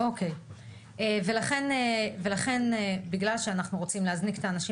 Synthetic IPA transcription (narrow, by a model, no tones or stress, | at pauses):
ʔo̞kʰe̞j | eve̞laχe̞neve̞laχe̞nebiɡlalʃeanaχnuʁo̞t͡simleɦazniket̪aːnaʃi